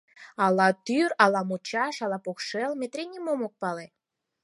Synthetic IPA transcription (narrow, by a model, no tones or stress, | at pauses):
ɑlɑt̪yɾɑlɑmot͡ɕɑʃɑlɑpoxʃelmet̪ɾenʲimomok̚pɑle